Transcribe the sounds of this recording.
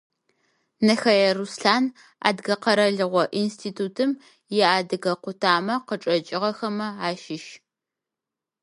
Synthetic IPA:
nɐxɐjɐrusɬaːn | a̰ːdɡɐqɐɾɐɮɨʁʷɔʔinstʰiːtʰuːtʰɨm | jɛaːdɨɣɐqʷʊtʰaːmɐqəʈ͡ʂʼɐt͡ʃʼɪʁɐxɐmɐaːʃɪʃ

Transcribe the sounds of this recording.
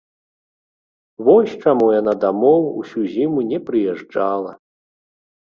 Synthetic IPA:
vɔsʲt͡ʂamujanad̪amɔwusʲuzʲimunʲɛpɾɨjɛʐd͡ʐalˠɐ

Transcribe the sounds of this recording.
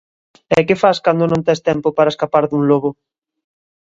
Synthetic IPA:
ɛkɪfaskand̪onõnt̪ɛst̪ɛmpopaɾaeskapaɾðuŋloβʊ

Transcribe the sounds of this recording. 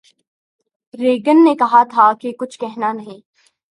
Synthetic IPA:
ɾeːɡənːekɐɦat̪ʰakekʊt͡ʃʰkɛɦnanɐɦĩː

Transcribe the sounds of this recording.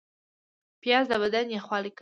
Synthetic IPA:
pjɑzd̪abad̪anjaχwɑlik

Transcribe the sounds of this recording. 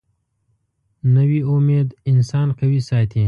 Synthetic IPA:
nəwiʊmed̪ɪnsɑːnkawisɑːt̪ʰi

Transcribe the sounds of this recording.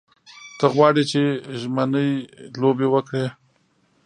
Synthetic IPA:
t̪əɣwɑɽit͡ʃeʒmənəjlobewəkɽe

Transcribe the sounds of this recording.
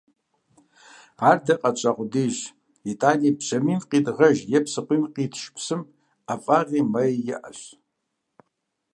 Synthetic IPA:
ardɐqʼat͡ʃʷʼaqʷʼʊdiʒ | itʼaːnipʰʃɐminqʼidʼʁɐʒjɛpʰsɨqʷʼimqʼitʰʃpʰsɨm | afʼaʁimɐjjɪ̰ʔa̰ɕʷ

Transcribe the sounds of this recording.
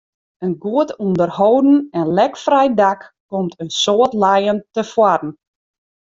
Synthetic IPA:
ənɡuətundərhowdn̩ɛnlɛkfrɛjdakː | komtʰənsoətlajəntəfwadn̩

